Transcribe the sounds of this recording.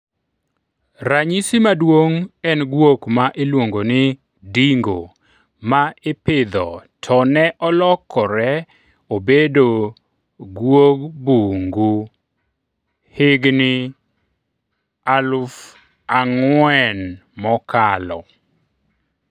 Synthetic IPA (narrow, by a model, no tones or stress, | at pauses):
ɾaɲisimadwoŋɛnɡwokmaʔelwoŋɡonɪ | diŋɡo̰ | maɪpɪd̪ɔ̰tʰɔnɛʔɔlɔkʰːɔɾɛ | obedo | ɡwok̚buŋɡu | hɪɡnɪ | alʊf | aŋwwɛnmɔkalɔ̰